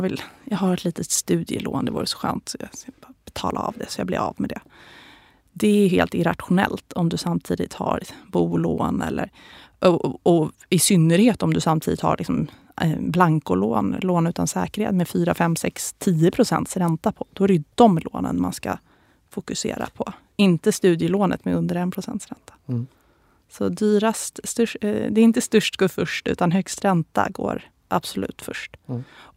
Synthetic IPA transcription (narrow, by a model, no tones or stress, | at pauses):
vɪljɑːɡɦaɾɛt̪ʰliːt̪ʰət̪st̪ʉ̟ːd̪jəloːnd̪ɛvṵːɾəsɔ̥ɧœ̰ːnt̪sɔjɑb̥ɛt̪ʰɑ̰ːlaa̰vd̪ɛsɔjɑːblɛ̰ɾa̰vmɛd̪ɛ | d̪ɛæɦeːlt̪ɪɾat̪ɧʊnɛlt̪ʰɔmd̪ɵsamt̪ʰiːd̪ɪt̪haɾbuːloːnɛlːʔəɾ | ʔɔɔ | ɪsʏnːəɾheːt̪ɔmd̪ɵsamːt̪ʰiːd̪ɪt̪ha̰ɾlʔɪksɔm | blaŋkʊloːnloːnʉ̟ːt̪ʰansɛːkəɾhḛːt̪mɛfyːɾafɛmːsɛkst̪ʰiːəpʰɾʊsɛ̰nt̪sɾɛnt̪apʰɔd̪̥ɔɾʏd̪ɔmloːnə̰nma̰nska̰ | fʊkɵsḛːɾa̰pʰɔ | ɪnt̪əst̪ʉ̟ːd̪jəloːnʔə̰t̪mɛɵnd̪əɾɛnpʰɾʊsɛ̰nt̪sɾɛnt̪ḁ | sɔd̪yːɾast̪st̪ɵʂd̪ɛɾɪnt̪əst̪ɵʂʈɡoːɾfœʂʈʉ̟̰ːt̪anɦœkst̪ɾɛnt̪a̰ɡo̰ːɾ | ʔab̥sʊlʉ̟ːt̪fœʂʈ